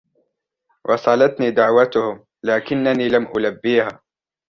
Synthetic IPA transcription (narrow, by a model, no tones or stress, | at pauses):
wʔɑsˤɑlat̪niːd̪aʕwat̪ʊhʊm | laːkɪnːaniːlamʔʊlabːiːhaː